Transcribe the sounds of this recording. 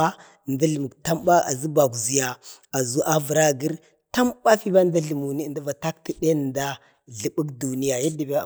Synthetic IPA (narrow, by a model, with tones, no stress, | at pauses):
a˦˨ | nda˦ɮmu˨kta˦mba˦a˨zi˦ba˨ɡu˨zi˨ja˨a˨zu˦ʔa˦və˨ɾa˦˨ɡə˦ɾ | ta˦mɓa˦fi˦ba˦nda˦ɮə˨mu˨ni˦˨nda˦va˨ta˦ktə˦de˦˨nda˦ | ɮə˨ɓu˦kdu˨ni˦ja˨ja˦da˨be˦˨